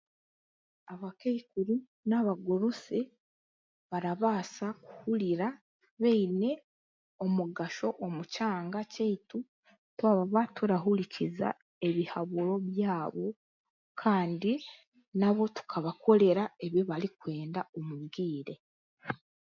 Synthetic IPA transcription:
aβakeikuɾi | naβaɡuɾusi | βaɾaβaːsaku̥huliɾa | βeine̞ | o̞muɡaʃo̞ʔomucaːŋɡaceitu | twaβaβatuɾaɦuliciza̰ | e̞βihaβuɾo̞βjaːβo̞ | kʰaːndi | naβo̞tu̥kʰaβakʰo̞le̞ɾae̞βiβaɾikwe̞ːndaomuɡiːɾe̞

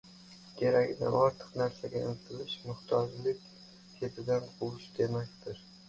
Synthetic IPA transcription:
kʲʰe̞ɾakʲɪd̪a̰nɒɾt̪ʰɨ̥qnaɾsaɡʲajḛnɪt̪ʰɪlɪʃmʊht̪ʰɒd͡ʒlɪkʲ | kʰʲe̞t̪ʰɪd̪anqʰʊwʊʃd̪e̞makʲt̪ʰɪɾ

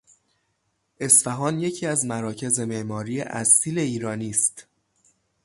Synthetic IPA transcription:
ʔe̞sfæɦɒːnje̞cʰiːæzmæɾɒːcʰe̞ze̞meʔmɒːɾiːḛʔæsiːle̞iːɾɒːniːst̪

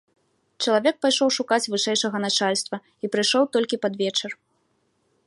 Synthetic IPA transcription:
t͡ʂɐlˠavʲɛk̚pajʂɔwʂukat͡sʲvɨʂɛjʂɐɣɐnat͡ʂalʲst̪vɐ | ipɾɨjʂɔwt̪ɔlʲkʲipad̪vʲɛt͡ʂɛr

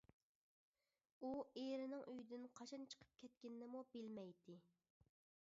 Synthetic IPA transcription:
ueɾɪnɪŋyjd̪ɪnqʰɑt͡ʃʰɑnt͡ʃʰə̥qʰə̥p̚kʲʰɛt̪̚kʲɪnnɪmubɪlmɛjd̪ɪ

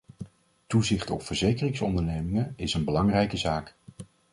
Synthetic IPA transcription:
tuzɪχtɔpfəɹzejkərɪŋsɔ̰ndəɹnejmɪŋənɪsənbəlɑŋrɛjkəzaːk

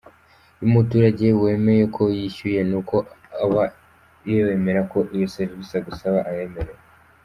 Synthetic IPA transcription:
umutuːɾaɟe̞we̞ːme̞jekʰo̞jiçuje̞nuko̞ | aβa | ijowe̞me̞ɾako̞ʔijoseɾβisaɡusaβaʔaje̞me̞ɾe̞

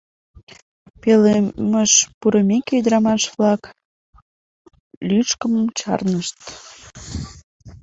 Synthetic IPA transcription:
peleməʃpuɾəmʲekeyd̪ɾɑmɑʃβlɑk | lyʃkəmt͡ɕɑ̰rnəʃt̪

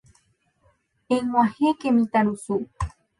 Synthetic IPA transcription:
eŋwãhekemĩt̪aɾusu

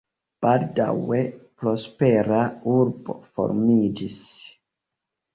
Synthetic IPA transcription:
b̥alda̰we̞pɾo̞speɾauɾbofo̞̰ɾmid͡ʒis

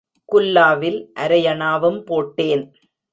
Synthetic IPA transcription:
kʊlːaːʋɪlʔɐɾɐjɐɳaːʋɯmpoːʈːeːn

